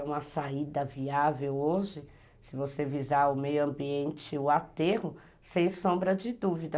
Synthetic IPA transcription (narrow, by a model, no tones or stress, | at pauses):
ũmɐsaid̪ɐviavewoʒɪ | sɪvosevizaɾʊmejʊɐ̃mbiẽnt͡ʃɪʊat̪eɦʊ | sẽj̃sõbɾɐd͡ʒɪd̪uvid̪ɐ